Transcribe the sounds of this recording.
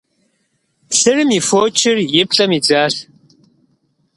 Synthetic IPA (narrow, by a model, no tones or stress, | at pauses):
sɨrɨmifoːt͡ʃʰɪrjɪp̚ɬʼɐmid͡zaːɬ